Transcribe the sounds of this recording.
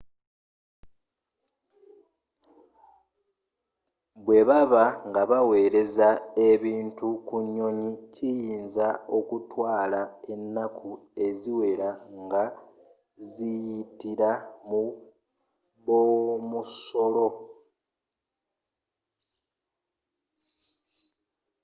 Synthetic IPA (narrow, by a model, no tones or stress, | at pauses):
βwe̞βaβaŋɡaβawe̞ːɾe̞zae̞βiːntukuɲːo̞ɲicijiːnzao̞kutwaːlae̞nːakʰue̞ziwe̞ɾaŋɡa | zijitiɾamu | βomuso̞lo̞